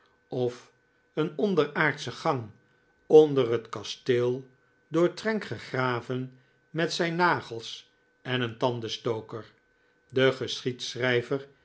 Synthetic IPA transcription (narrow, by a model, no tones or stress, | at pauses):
ɔf | ənɔndəraːɹtsəχɑŋ | ɔndərɦətkɑstɪːlˠ | dʊːɹtrɛŋkχəχraːvən | mɛtsɛjnːaːχəlˠs | ɛnəntɑndəstowkəɹ | dəχəsχitsrɛjvəɹ